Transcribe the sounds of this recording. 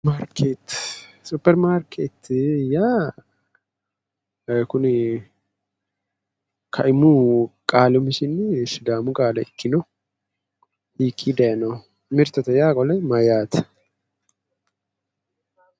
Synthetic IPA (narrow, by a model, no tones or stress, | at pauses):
maɾkʰeːt̪sʊpːɛɾmaɾkʰeːt̪jaː | kʊn | kʰɐʔɪmukʼaːlʊmɪʃɪnsɪd̪aːmʊkʼaːlɐɪkːɪnɔ | hiːkʼːiːd̪ɐjɐnɐw | mɪɾt̪ɐt̪ɐjaːkʼɔlɐmɐjaːt̪ɐ̥